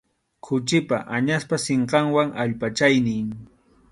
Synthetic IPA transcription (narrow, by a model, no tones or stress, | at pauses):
kʰʊt͡ʃɪpa̰ʔaɲaspaseɴqɑŋwaŋʔaʎpat͡ʃajnɪŋ